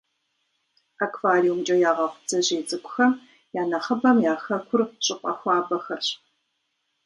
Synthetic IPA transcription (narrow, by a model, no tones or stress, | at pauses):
akʰvaːɾiwmt͡ʃʼɐjaːʁɐχʷʊd͡zɐʑeːzʼɨkʷʊxɐm | jaːnɐχɐbɐmjaːxɐkʷʰʊrɕʼɪqʷʼɐ̰xʷɑːbɐxɐrɕ